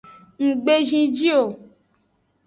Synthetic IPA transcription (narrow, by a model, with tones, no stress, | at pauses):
ŋ̩˨ɡ͡be˦ʒĩ˧d͡ʒi˦o˨